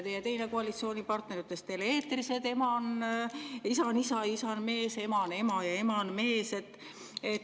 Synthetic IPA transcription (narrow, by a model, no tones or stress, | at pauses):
t̪ejet̪e̞jne̞koɑlit̪sio̞ːnʲipɑrt̪ne̞rit̪ːˑe̞st̪eleeːt̪rise̞d̪e̞mɑn | isɑnisɑisɑnme̞ːse̞mɑne̞mɑjɑe̞mɑnme̞ːse̞t̪ːˑ | et̪